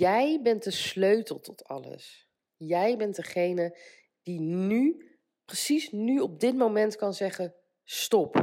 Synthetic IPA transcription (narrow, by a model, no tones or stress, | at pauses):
jɛjbɛnt̚dəsløɥtəlˠtɔtʰɑ̰lə̰s | jɛjbɛntdəχejnə | d̥iny | prəsisnyɔb̚dɪt̚mowmɛntkɑnzɛχə | stɔp